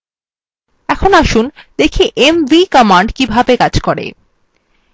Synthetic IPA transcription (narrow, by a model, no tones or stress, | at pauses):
ɛkʰonaʃund̪̥ekʰiʔemvikɔmaɳɖkibʱabekad͡ʑkɔɾḛ